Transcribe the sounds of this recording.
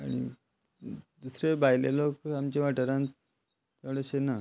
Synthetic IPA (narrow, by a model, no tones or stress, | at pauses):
aɽ̃ḭ | d̪usɾebʱajlelokamt͡ɕeʋaʈəɾãn | t͡səɽəɕena